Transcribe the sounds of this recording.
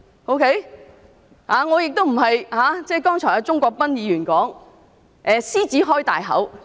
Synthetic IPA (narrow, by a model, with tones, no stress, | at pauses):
o˥wkʰe˥j | haː˨˧ŋɔː˨˧jɪ˨k̚t̪o˥wm̩˨˩ɦɐ˨jhaː˨˧˥t͡sɛː˥jkɔː˥ŋt͡ʃʰɔː˨˩jɐ˨˧t͡sʊ˥ŋkʷɔː˧k̚pɐ˥njiː˨˧ɥyː˨˩nkɔː˨˥ŋ | ʔɛː˨siː˥t͡siː˨˥ɦɔː˥jt̪a̰ː˨jɦɐ̰˨˥w